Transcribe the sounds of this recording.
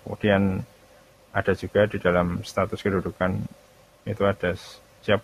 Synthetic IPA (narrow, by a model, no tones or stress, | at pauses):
ṵd̥ijan | ʔad̥a̤d͡ʒuɡ̥adidalamst̪at̪ʊskədudukan | it̪uad̥asː | iap